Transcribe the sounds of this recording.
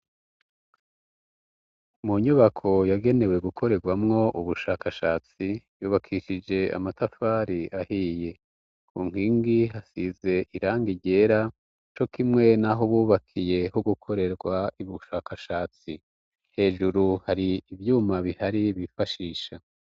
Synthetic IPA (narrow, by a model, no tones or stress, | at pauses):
muɲuβakʰo̞jaɡe̞ne̞we̞ɡukʰo̞ɾe̞ɾɡwamŋo̞ʔuβuʃaːkʰaʃaːt͡sijuːβakʰiʃid͡ʒe̞a̰matafaːɾiʔahiːje̞ | kuŋ̥iːŋɡiɦasize̞ʔiɾaːŋɡiɟe̞ːɾa | t͡ʃo̞kimŋe̞naɦoβuːβakʰije̞hoɡukʰo̞ɾe̞ɾɡwaiβuʃaːkaʃaːt͡si | he̞ːʒuɾuhaɾiːvjuːmaβihaɾiβifaʃiːʃa